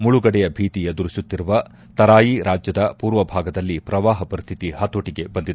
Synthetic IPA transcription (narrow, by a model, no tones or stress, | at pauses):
muɭuɡɐɽɛjɐbʱiːt̪ijɐd̪uɾisut̪ːiɾuʋɐ | t̪ɐɾaːjiɾʔaːd͡ʒjɐd̪ɐpuːɾʋɐbʱaːɡɐd̪ɐlːipɾɐʋaːɦɐpɐɾist̪ʰit̪ihɐt̪oʈiɡe̞bɐnd̪id̪u